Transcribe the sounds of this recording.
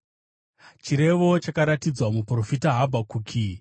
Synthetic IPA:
t͡ʃiɾe̞ʋo̞t͡ʃakaɾatid͡zwamupro̞fitaɦabʱakuːkʰi

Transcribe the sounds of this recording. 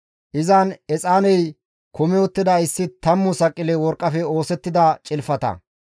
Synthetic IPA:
ʔɪzanɛt͡sʼaːnɛj | kɔmɪɔt̪ːɪd̪ɐɪsːɪt̪ɐmːʊsɐkʼːɪlɛwɔɾkʼːɐfɛo̞ːsɛt̪ːɪd̪ɐt͡ʃʼɪlfɐt̪ɐ̰

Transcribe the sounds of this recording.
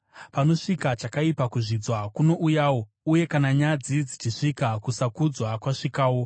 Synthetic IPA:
pano̞ʂikat͡ʃakaipakuʐid͡zwakuno̞ʔujaːwo̞ | uje̞kanaɲad͡zid͡zit͡ʃiʂikakusakud͡zwakwaʂikaːwo̞

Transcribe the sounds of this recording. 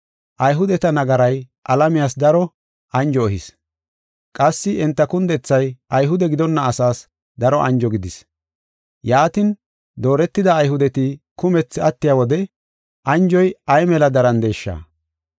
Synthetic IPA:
ʔɐjɦʊd̪ɛt̪ɐnɐɡɐɾɐj | ʔɐlɐmɪjaːs̬d̪ɐɾɔ | ʔɐnd͡ʒɔːhɪs | kʼɐsːɪʔɪnt̪ːɐkʊnd̪ɛt͡sːɐjɐjɦʊd̪ɛɡɪd̪ɔnːɐːsaːs | d̪ɐɾɔʔɐ̰nd͡ʒɔɡɪd̪ɪs | jaːt̪ɪn | d̪o̞ːɾɛt̪ːɪd̪ɐːjɦʊd̪ɛt̪ikʊmɛt͡sːɪɐt̪ːɪjawɔd̪ɛ | ʔɐnd͡ʒɔjɐjmɛlɐd̪ɐɾɐnd̪e̞ːʃːa̰ː

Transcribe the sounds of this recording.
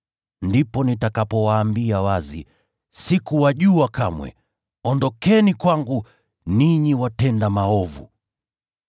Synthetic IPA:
ndipɔnitakapɔwaːmbiawazḭ | sikuwaʄuakʰamwɛ̰ | ɔndɔkɛnikwaŋɡu | niɲiwatɛndamaɔvṵ

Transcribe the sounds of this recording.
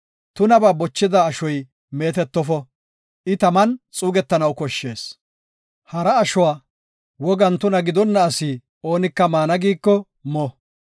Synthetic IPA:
t̪ʊnɐbaːbɔt͡ʃːɪd̪ɐːʃɔj | me̞ːt̪ɛt̪ːɔfɔ | ʔɪt̪ɐmɐnt͡sʼuːɡɛt̪ːɐnɐwkɔʃːe̞ːs | hɐɾɐːʃɔwaː | wɔɡɐnt̪ʊnɐɡɪd̪ɔnːɐːsi | o̞ːnɪkːɐmaːnɐɡiːkːɔ | mɔ

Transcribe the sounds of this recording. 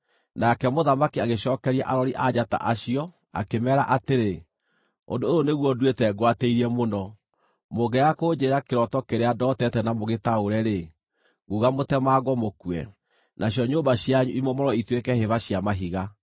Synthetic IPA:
nakɛmoðamakiaɣeɕɔːkɛɾiaʔaɾɔɾiʔad͡ʑata̰ʔaɕiɔ | a̰kemɛːɾaʔateɾe | o̰ndoooneɣwɔdwetɛɡwateiɾiɛmonɔ | moɣɛakoːd͡ʒeɾakeɾɔtɔkeɾeadɔtɛtɛnamoɣetaoɾɛɾe | ɣuɣamotɛmaːɣwɔmokwɛ̰ | nʔaɕjɔɲoːmbaɕjaɲuimɔmɔɾɔitwekɛheβaɕiamaɦiɣa

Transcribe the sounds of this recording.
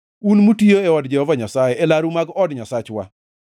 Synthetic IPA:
unmutioeɔdd͡ʒɛhɔvaɲasajɛʔelaɾumaɡɔdɲasat͡ʃwa̰

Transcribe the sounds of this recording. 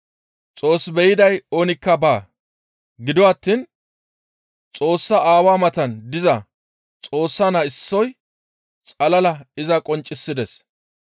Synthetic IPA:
t͡sʼo̞ːsbɛjɪd̪ɐjoːnɪkːɐbaː | ɡɪd̪ɔwɐt̪ːin | t͡sʼo̞ːsːɐʔaːwaːmɐt̪ɐnd̪ɪzɐ | t͡sʼo̞ːsːɐnɐɪsːɔj | t͡sʼɐlɐlɐɪzɐkʼɔnt͡ʃʼːɪsːɪd̪ɛs

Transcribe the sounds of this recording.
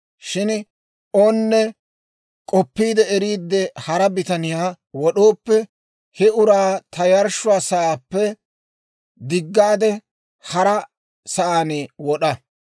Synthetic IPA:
ʃɪn | ʔonːɛ | kʼɔpːiːd̪ɛɛɾiːd̪ːɛhɐɾɐbɪt̪ɐnɪjaː | wɔɗo̞ːpːɛ | hɛʊɾaːt̪ʰɐjɐɾʃʊwaːsɐaːpːɛ | d̪ɪɡːaːd̪ɛ | hɐɾɐ | sɐʔaːnɪwɔɗɐ

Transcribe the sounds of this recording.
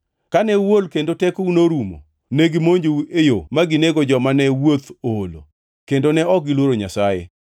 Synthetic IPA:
kanɛwolkendotɛkunoɾumo̰ | nɛɡɪmoɲd͡ʒouejomaɡɪneɡod͡ʒɔmanɛwot̪olo̰ | kendonɛɔɡɪlwoɾoɲasajḛ

